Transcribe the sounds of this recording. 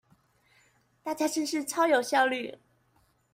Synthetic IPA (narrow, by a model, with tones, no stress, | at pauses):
t̪a˥˩t͡ɕja˥ʂə˥˧nʂɻ̩˥˩ʈ͡ʂʰɑ˥ʊjo˨˩ʊɕjɑ˥˧ʊly˥˩